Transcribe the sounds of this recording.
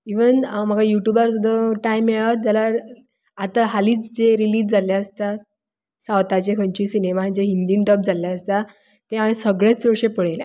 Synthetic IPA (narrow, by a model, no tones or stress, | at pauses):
iʋənm̤əɡʱajuʈjubaɾsud̪ʱəʈaimjeɭaʋt̪̚d͡ʑala | at̪aɦaliːt͡sd͡ʑeɾiliːd͡zd͡zaljaəst̪a | sawt̪at͡ɕekʰəɳt͡ɕisinemad͡ʑeɦind̪iɳʈəp̚d͡zʱaljaəst̪a | t̪eamĩsəɡɭat͡səɾɕepəɽ̤ejle